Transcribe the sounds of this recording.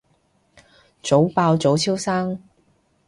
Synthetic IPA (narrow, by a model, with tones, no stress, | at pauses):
t͡so˨˥wpaː˧wt͡so˨˥wt͡sʰiː˥wsaː˥ŋ